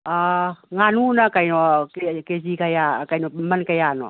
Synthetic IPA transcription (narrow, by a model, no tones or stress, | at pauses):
aŋanunakajnokeked͡ʒikajakajnomankajano̰